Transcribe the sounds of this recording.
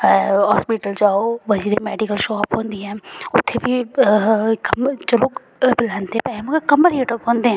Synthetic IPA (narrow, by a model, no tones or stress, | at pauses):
ɦɔːspiʈəld͡ʒaːoʋɐd͡ʒɾemɛːɖikəlʃoːapɦõːnd̪iɦɛ̃ːʊt̪ʰːebʱi | kɐmt͡ʃɐloːk | bɪlaːnd̪eɛ̃pɛemukekɐməɾɦeːʈəpɦõːnd̪eɦɛ̃ː